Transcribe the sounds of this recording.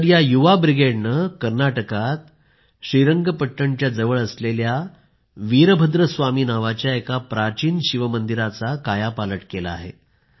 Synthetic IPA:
ɾjajuʋabɾiɡeɖnəkəɾnaʈəkat̪̚ | ɕɾiɾəŋɡəpəʈːəɳt͡ɕjad͡zəʋəɭəslelja | ʋiɾbʱəd̪ɾəsʋamiːnaʋat͡ɕjaekapɾat͡ɕiːnɕiʋəmənd̪iɾat͡sakajapaləʈkela̰ːɦḛ

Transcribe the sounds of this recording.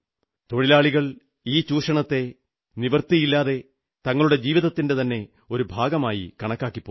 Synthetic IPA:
t̪o̞ɻilaːɭiɣɐɭ | iːt͡ɕuːʂɐɳɐt̪ːe̞ | niʋɐrt̪ijilːaːðe̞ | t̪ɐŋːɐɭuɽe̞d͡ʑiːʋiðɐt̪ːinde̞t̪ɐnːe̞ | o̞ɾubʱaːɡɐmaːjḭkɐɳɐkːaːkːipːo

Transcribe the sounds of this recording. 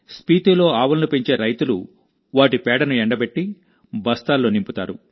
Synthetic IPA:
spiːt̪ulo̞ːaːʋɐlnupeɲt͡ʃe̞ːɾɐjt̪ulu | ʋaːʈipɛːɽɐnuɛɳɖɐbeʈːi | bɐst̪aːlːoːnimput̪a̰ːɾṵ

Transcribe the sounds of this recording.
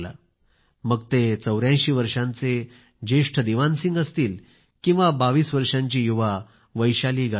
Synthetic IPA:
la̰ | məɡt̪et͡səwɾjãɕiːʋəɾʂãnt͡se | d͡ʑeʂʈʰəd̪iʋansĩŋɡəst̪iːl | kĩw̃ʋabaʋiːsʋəɾʂãɲt͡ɕiːjuʋa | ʋəjɕaliːɡʱa

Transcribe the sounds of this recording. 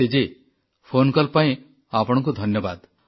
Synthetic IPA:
ed͡ʒe | pʰonkɔlpaẽ | apɔɽ̃ɔ̃ŋk̬ud̪ʱɔnjɔbad̪

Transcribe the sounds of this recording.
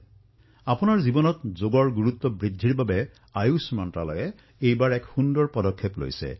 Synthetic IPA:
apunaɹzibɔnɔtzoɡɔɹɡuɹut̪ːɔbɹidʱːiɹbabɛ | ajusmɔnta̰lɔ̰jɛ | ejbaɹɛkxundɔɹpɔdɔkʰːeplo̰jsɛ̰

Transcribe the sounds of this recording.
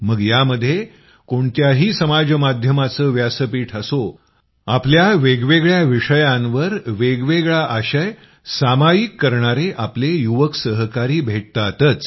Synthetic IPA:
məɡjaməd̪ʱːje | koɳt̪jaɦiːsəmad͡ʑmad̪ʱjəmat͡səːʋjasəpiːʈʰəso | apljaʋeɡʋeɡɭjaʋiʂəjãnʋəɾʋeɡʋeɡɭaʔaɕəj | samajikːəɾɳaɾeʔaplejuʋəksəɦkaɾiːbʱeʈ̚t̪at̪ət͡s

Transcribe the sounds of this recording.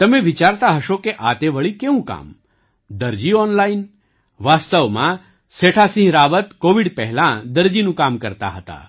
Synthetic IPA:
t̪əmẽʋit͡ʃaɾt̪aɦəʃokeʔat̪eʋəɭikeũka̰m | d̪əɾd͡ʒiɔnlain | ʋaːst̪əʋmã̰ | seʈʰasĩɦɾaʋət̪koʋiɽpɛɦɛlãd̪əɾd͡ʒinũkamkəɾt̪a̰ɦət̪a̰

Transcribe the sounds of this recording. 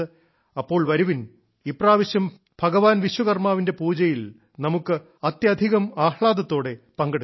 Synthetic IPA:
ɨ | ɐpːo̞ːɭʋɐɾuʋin | ipraːʋɐɕjɐm | b̥ʱɐɡɐʋaːnʋiɕwɐɣɐrmaːʋinde̞puːd͡ʑɐjil | nɐmukːɨ | ɐt̪jɐd̪ʱiɣɐmaːhɭaːd̪ɐt̪ːo̞ːɽe̞ | pɐŋɡɐɽu

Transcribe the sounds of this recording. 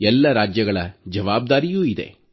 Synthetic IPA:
ɛlːɐɾaːd͡ʒjɐɡɐɭɐ̰d͡ʒɐʋaːb̚d̪aːɾijuːid̪ḛ

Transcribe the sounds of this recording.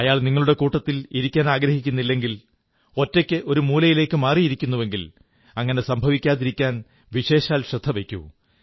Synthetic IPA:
ɐjaːɭniŋːɐɭuɽe̞kuːʈːɐt̪ːiliɾikʲːaːnaːɡɾɐhikʲːunːilːe̞ŋɡil | o̞tːekʲːɨʔo̞ɾumuːlɐjile̞ːkːɨmaːrijiɾikʲːunːuʋe̞ŋɡil | ɐŋːɐne̞sɐmbʱɐʋikʲːaːðiɾikʲːaːn | ʋiɕe̞ːɕaːlɕɾɐd̪ʱːɐʋe̞kʲːṵ

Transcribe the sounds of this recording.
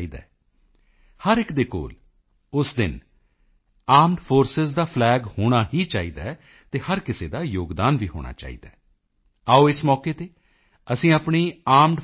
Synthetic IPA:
iːd̪a̰ː | həɾɪkd̪eːko̰ːl | ʊsd̪ɪn | aːmɖpʰoːɾsɪzd̪aːpʰlɛːɡhoːɽ̃aːɦiːt͡ʃaːiːd̪aː | t̪eːhəɾkɪsḛːd̪aːjoːɡd̪aːnʋiːɦo̰ːɽ̃a̰ːt͡ʃa̰ːḭːd̪aː | aːoːɪsmɔːkeːt̪eː | əsĩːaːpɳiːaːmɖ

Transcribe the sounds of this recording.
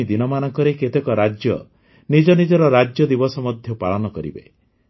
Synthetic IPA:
id̪inɔmanɔŋkɔɾeket̪ekɔɾad͡ʒjɔ̰ | nid͡ʒɔnid͡ʒɔɾɔɾad͡ʒjɔd̪ibɔsɔmɔd̪ʱjɔpaɭɔnɔkɔɾḭbḛ

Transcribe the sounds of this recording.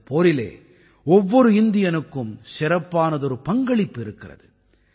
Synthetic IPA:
poːɾɪlḛː | ɔʋːɔɾɯɪnd̪ɪjɐnɯkːɯmsɪɾɐpːaːnɐðɔɾɯpɐŋɡɐɭɪpːɪɾɯkːɪrɐ̰ðɯ

